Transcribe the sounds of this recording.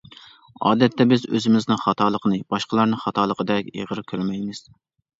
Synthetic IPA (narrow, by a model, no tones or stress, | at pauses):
ɑ̰ːd̪ɛt̪ʰːɛbɪzø̰zɪmɪznɨŋχɑt̪ʰɑːlˠəqnɨb̥ɑʃqəlˠɑɾnɨŋχɑt̪ʰɑːlˠəqʰəd̪ɛkʲḛʁəɾkʲʰøɾmɛjmɪz̥